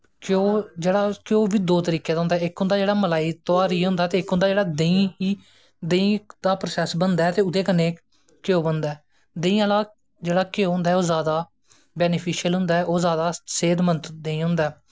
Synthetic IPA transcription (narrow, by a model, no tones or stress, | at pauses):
koːd͡ʒeːɽaːkoːʋiːd̪oːt̪əɾiːkeːd̪aɦʊnd̪aɛːɪkɦʊ̃nd̪aːd͡ʒeːɽaːməlaːiːt̪oaːɾiːɦʊ̃nd̪aːt̪eːɪkɦʊnd̪aːd͡ʒeːɽaːd̪əĩːɦiː | d̪əĩːd̪aːpɾoːsɛːsbənd̪aɛːt̪eːʊd̪eːkəneː | kɪoːbənd̪aɛː | d̪ẽĩːãlaː | d͡ʒeːɽaːkeoːɦʊ̃nd̪aɛːoːzaːd̪aː | bɛːnpʰiːʃjəlɦʊ̃nd̪aːɛʔoːzaːd̪aːseːd̪mənt̪d̪eĩːɦʊ̃nd̪aɛː